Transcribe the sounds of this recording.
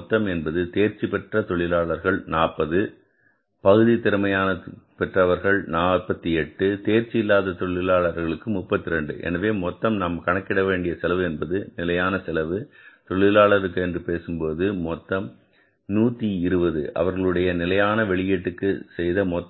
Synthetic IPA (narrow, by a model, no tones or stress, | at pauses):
t̪ːɐmɛnbɐðɯt̪eːɾt͡ʃipɛʈrɐt̪ɔɭɪlaːɭɐɾɣɐɭnaːpːɐðɯ | pɐɣɯðit̪ɪɾɯmɐjaːnɐpɛʈrɐʋɐɾɣɐɭnaːpːɐt̪ːiɛʈːɯt̪eːɾt͡ʃɪɪlːaːðɐt̪ɔɭɪlaːɭɐɾɣɐɭɯkːɯmʊpːɐt̪ːɪɾɛɳɖɯ̰ʔɛ̰nɐʋeːmɔt̪ːɐmnamkɐɳɐkːɪɽɐʋeːɳɖɪjɐsɛlɐʋɯɛnbɐðɯnɪlɐjaːnɐsɪlɐʋɯt̪ɔɭɪlaːɭɐɾɯkːɯɛndrɯpeːsɯmpoːðɯmɔt̪ːɐm | nuːt̪ːiɪɾɯbɐðɯ̰ʔɐ̰ʋɐɾɣɐɭɯɽɐjɐnɪlɐjaːnɐʋɛɭɪjeːʈːɯkːɯsɛjðɐmɔ